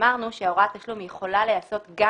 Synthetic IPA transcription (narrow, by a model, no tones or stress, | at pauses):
aʁnuʃeaoʁat̪aʃlumjeχo̞lalejaso̞t̪ɡa